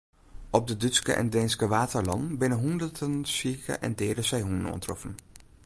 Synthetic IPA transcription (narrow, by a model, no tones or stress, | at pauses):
ɔb̚dədʏtskə̰ʔɛ̰ndɛnskəʋaːtəɹlɑ̰nbɪnəɦɔndədənsikə̰ʔɛ̰ndɪːdəsɛjɦunə̰nɔ̰ntrɔfən